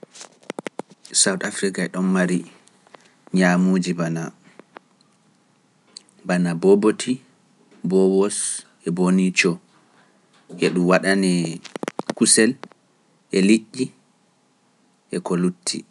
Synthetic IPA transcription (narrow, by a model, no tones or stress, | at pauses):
sawtafɾikaɛɗɔnmaɾi | ɲamuːd͡ʒibana | banabɔbotʰi | bɔwɔs | ɛbonit͡ʃɔ | ʔɛɗumwaɗanɛ | kusɛl | ʔɛliʔːi | ʔɛkolutʰːḭ